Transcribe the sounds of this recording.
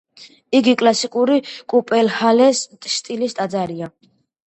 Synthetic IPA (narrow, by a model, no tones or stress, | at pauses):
iɡikʼlasikʼuɾikʼupʼɛlhalɛst̪ʼʃt̪ʼilist̪ʼad̪zaɾia